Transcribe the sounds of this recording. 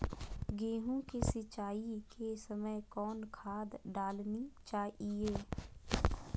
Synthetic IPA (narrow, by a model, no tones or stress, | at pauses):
ɡeːɦũkesɪt͡ʃaːikesəməjkɔːnkʰaːd̪ɖaːlnit͡ʃaːieː